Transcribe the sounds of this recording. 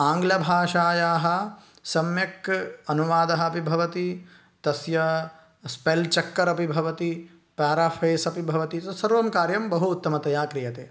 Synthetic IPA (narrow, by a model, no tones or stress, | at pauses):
aːŋɡlɐbʱaːʃaːjaːɦɐ̆ | sɐmjɐkɐnuʋaːd̪ɐɦɐ̆ɐpibʱɐʋɐt̪i | t̪ɐsjɐ | spelt͡ʃɐkːɐɾɐpibʱɐʋɐt̪i | paːɾafʰeːsɐpibʱɐʋɐt̪isɐsɐɾʋɐmkaːɾjɐmbɐɦuːt̪ːɐmɐt̪ɐjaːkɾijɐt̪eː